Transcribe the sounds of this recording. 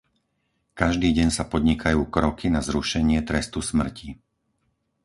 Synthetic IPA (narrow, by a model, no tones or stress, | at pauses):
kaʒd̪iːɟɛɲsapɔd̪ɲikʰajuːkɾɔkinazɾuʃɛɲɪɛt̪ɾɛst̪usmr̩ci